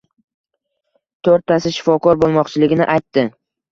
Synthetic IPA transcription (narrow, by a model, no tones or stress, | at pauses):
t̪ʰoɾt̪ʰːasɪʃɪ̥fɒkʰɒɾbolˠmɒqt͡ʃʰɪlɪɡʲɪnɪʔajt̪ːɪ